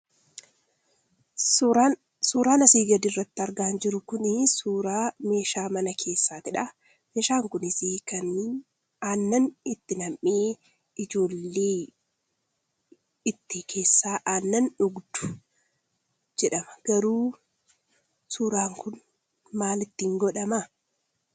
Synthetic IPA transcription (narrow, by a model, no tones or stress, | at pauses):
suːɾaːnɐsiːɡɐd̪ɪrːɐt̪ːɪɐɾɡaːnd͡ʒɪɾʊkʊnɪsuːɾaːme̞ːʃaːmɐnɐkʰe̞ːsːaːt̪ɪᶑa | meːʃaːŋkʊnɪsiːkɐn | aːnːɐnɪt̪ːɪnɐmʔeː | ɪd͡ʒo̞ːlːeː | ɪt̪ːikʰe̞ːsːaːʔaːnːɐnᶑʊɡd̪ʊ̥ | d͡ʒɛᶑɐmɐ̥ɡ̥ɐɾuː | suːɾaːŋkʊn | maːlɪt̪ːɪŋɡɔᶑɐma